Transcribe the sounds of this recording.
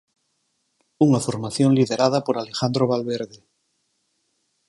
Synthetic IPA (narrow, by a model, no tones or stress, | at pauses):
uŋafoɾmaθjoŋliðeɾað̞apoɾalexand̪ɾoβalβeɾðe